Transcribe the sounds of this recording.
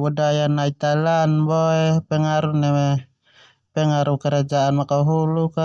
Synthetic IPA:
budajanait̪alanbɔɛpɛŋaɾunɛmɛ | pɛŋaɾukɛɾad͡ʒaanmakaɦuluka

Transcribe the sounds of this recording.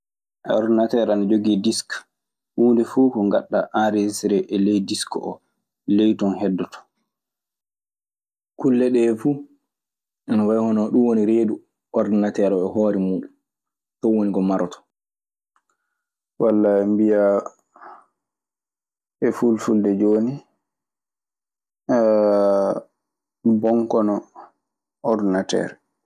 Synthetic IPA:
ʔɛɔɾdnatɛɾanad͡ʒoɡidisk | huːndɛfukɔŋɡa̰ɗːaʔaɾed͡ʒisɾɛʔɛlejdiskɔʔɔ | lejtɔnhɛdːɔtɔ̥ | kulːɛɗɛːfu | ʔɛnɔwajhɔnɔɗumwoniɾeːdu | ɔɾdnatɛɾɔɛhoːɾɛmuːɗum | tɔwoniɡɔmaɾɔtɔ̥ | walːambija | ɛfulfuldɛd͡ʒoːni | bɔŋkɔnɔ | ɔɾdinatɛ̰ːɾɛ

